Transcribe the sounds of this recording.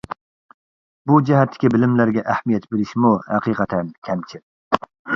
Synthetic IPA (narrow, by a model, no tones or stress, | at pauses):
bud͡ʒɛɦɛt̪ʰːɪ̥kʲibɪlɪmlæɾɡʲɛʔæhmijɛt̪beɾɪʃmuhæqiqʰɑt̪ʰɛnkʲʰɛmt͡ʃʰɪɾ̚